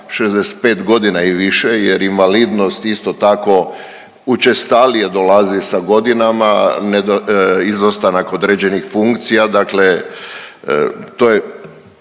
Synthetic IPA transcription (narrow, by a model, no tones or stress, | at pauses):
ʃezd̪ese̥t̪̚pe̞ːt̪ɡo̞d̪inaiʋiʃejeɾinʋalid̪no̞st̪ist̪o̞t̪ako̞ | ut͡ʃest̪alijed̪olazisaɡo̞d̪inamaned̪oizost̪anako̞d̪ɾed͡ʑenixfuŋkt̪sijad̪akle | t̪oje